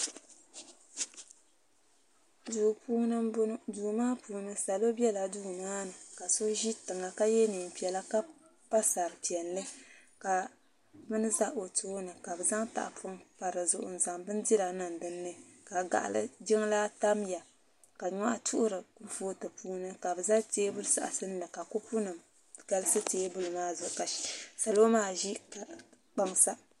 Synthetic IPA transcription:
duː˨puː˦nɨ˦duː˨maː˦puː˦nɨ˦sa˨lo˦bɛ˦la˨duː˦maː˦nɨ˨ka˨so˦ʒi˦tɨ˨ŋa˨ka˦jɛ˦ni˨m˨pi˨ɛ˨la˦ka˦ | pa˦sa˨ɾpi˨ɛ˨nlɨ˦ | ka˨ | bɨ˦nɨ˦za˦ʔo˨toː˦nɨ˨ka˨bɨ˨za˦ŋta̰˨ʔa˨pʰʊ˦ŋpa˨ɾɨ˨zʊ˨ʔʊ̰˨n˨za˨ŋbɨ˦n˦di˦ɾa˨nɨ˨n˨dɨ˦nːɨ˦ka˨ɡa̰˨ʔa̰˨lɨ̰˦d͡ʒɪ˦ŋ˦la˦ta˦mja˨ | ka˨ɲɔ˦ʔa˦tʰu˦ʔʊ˦ɾɨ˨˦voː˦tɨ˨puː˦nɨ˦ka˨bɨ˨za˦teː˦bʊ˦lɨ˦sa̰˨ʔa̰˨sɨ˦n˦lɨ˨ka˨kʊ˦pʊ˦nɨ˨m | ɡ̥a˦lɨ˦sɨ˦teː˦bʊ˦lɨ˨maː˦zʊ˨ʔka˨sa˨lo˦maː˦ʒi˦ka˨ | k͡pa˦ŋsa˦

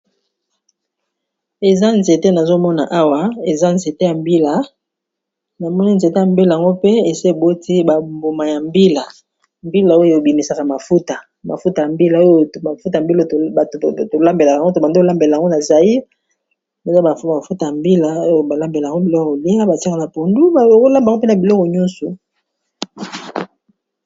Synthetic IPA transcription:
e˨za˦nze˨te˦na˨zo˦mɔ˦na̰˨ʔa˦wa˦e˨za˦nze˨te˦ja˨mbi˦la˨ | na˨mɔ˦ni˦nze˨te˦ja˨mbi˦la˨a˨ŋɡo˦pe˦e˨se˦˨bo˦tʰi˦ba˨mbo˨ma˨ja˨mbi˦la˨ | mbi˦la˨o˦jo˦˨e˨bi˨mi˨sa˨ka˨ma˨fu˦ta˨ | ma̰˨fu˦ta˨ja˨mbi˦la˨o˦jo˦˨a˨fu˦ta˨mbi˦la˦ta˨tto˨la˦mbe˨la˨ka˨˦o˦to˨ba˨nde˦o˦la˦mbe˨la˨ŋɡo˦na˨za˨li˦ | be˨za˦ba˨˦a˨fu˦ta˨ja˨mbi˦la˨o˦o˨ba˨la˦mbe˨la˨ŋɡo˦˨bi˨lɔ˦kɔ˨o˨li˦a˦ba˨ti˦a˦ka˨na˨po˨ndu˦˨˦ko˦la˦mbŋɡo˦pe˦na˨bi˨lɔ˦kɔ˨ɲɔ˦nsu˨

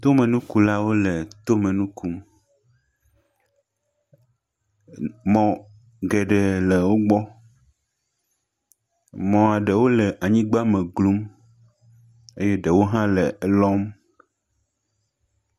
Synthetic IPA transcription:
t̪o˦mẽ˨nũ˦ku˦la˦wo˦le˨t̪o˦mẽ˨nũ˦ku˦m | mɔ̃˨ | ɡɛ˨ɖɛ˨le˨wo˦ɡ͡bɔ˦ | mɔ̃˨a˨ɖe˨wo˦lɛ˨ʔa˨ɲĩ˦ɡ͡ba˦mẽ˨ɡlu˦m | e˦je˦ɖe˨wo˦ɦã˦le˨˦lɔ˦m

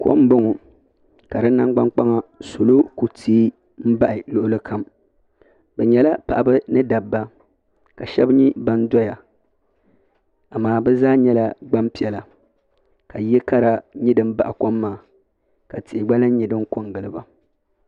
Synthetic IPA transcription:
ko̰˦m˦bo˦ŋɔ˨ | ka˨dɨ˦nːa˦ŋɡ͡ba˦ŋk͡pa˦ŋa˦so˨lo˦ku˨tʰiː˦ | m̩˦ba˦ʔɪ˨lʊ˨ʔʊ˦lɨ˦kʰa˦m | bɛ˨ɲɛ˨la˦pa̰˨ʔa˨bɨ˦nɨ˦da˨bːa˦ | ka˨ʃɛ˦bɲi˦ba˦n˦dɔ˦ja˨ | a˨maː˦˨bɛ˦zaː˦ɲɛ˦la˦ɡ͡ba˦mpi˨ɛ˨la˨ | ka˨jɛ˦ka˦ɾa˨ɲi˦dɨ˦m̩˦ba˨ʔa˨ko˦mːaː˦˨ | ka˨tɪ˨ʔɪ˨ɡ͡ba˦lɨ˦n˦ɲi˨dɨ˦m˦ko˦ŋɡɨ˨lɨ˦ba˨

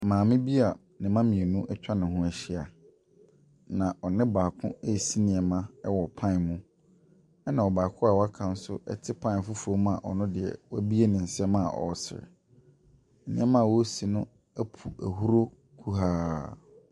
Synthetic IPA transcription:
mãː˨mɪ̃˦bi˦a˨ | nɪ̃˨mã˦mĩ˨e˨nũ˦ʔɛ˦t͡ɕᶣa˦nɪ̃˨ɦʊ̃˦ɛ˨ɕɪ˦a˨ | nã˨ʔɔ˨nɪ̃˦baː˨kʰʊ̰̃˦e˦˨si˦nɪ̃˨ɛ˨mã˦ɛ˦wɔ˨pʰã˦˨mũ˦ | ɛ˦nã˨ɔ˨baː˨kʰʊ̃˦a˨wa˦kʰã˨n̩˦sʊ̰˦ʔɛ̰˦tʰɪ˦pʰã˦˨fʊ˦fu˨ɾo˦m˦a˨ʔɔ˨nʊ̃˦dɪ˨ɛ̰˨wbi˦e˦nɪ̃˨n̩˨sɪ˦ɛ˦mã˦a˨ʔɔ̰˨sɪ̰˨ɾɪ̰˨ | ɛ˨nɪ̃˦ɛ˦mã˦a˨wɔ˦si˨nʊ̃˦ | æ˦pʰu˨æ˨hu˦ɾo˦ | kʰu˦ɦaː˦

